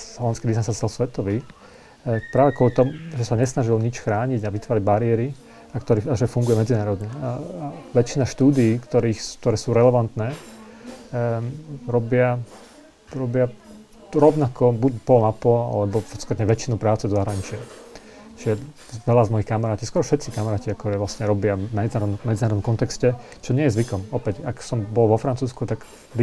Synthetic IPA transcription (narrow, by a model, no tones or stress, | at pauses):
ɔʋanskid̪isansasɛlsʋɛt̪ɔʋiː | pɾaːʋɛkɔlit̪ɔmʒɛsaɲɛsnaʒilɲit͡ʃxɾaːɲiɟaʋit̪ʋaːɾaɟbaɾiɛɾi | akt̪ɔɾiːaʒɛfuŋɡujɛmɛd͡zinaːɾɔd̪ɲɛ | ʋɛt͡ʃinaʃt̪uːd̪iiːkt̪ɔɾiːxk̚t̪ɔɾɛːsuːɾɛlɛʋant̪nɛː | ɾɔbɪa | ɾɔbɪa | ɾɔʋnakɔbucpɔlmapɔa̰lɛbɔpɔsk̪ɾt̪ɲɛʋɛt͡ʃinupɾaːt͡sɛzɔzaɦɾaɲit͡ʃɪa | t͡ʃijɛ | ʋɛlazmɔjixkamaɾaːciskɔɾɔfʃɛt̪t͡sikamaɾaːciakt̪ɔɾɛːʋlasɲɛɾɔbɪamɛd͡zinaːɾɔd̪nmɛd͡zinaːɾɔd̪ɔmkɔnt̪ɛkscɛ | t͡ʃɔɲɪɛjɛzʋikɔmɔpɛcaksɔmbɔlʋɔfɾant͡suːskut̪aɡ | d̪i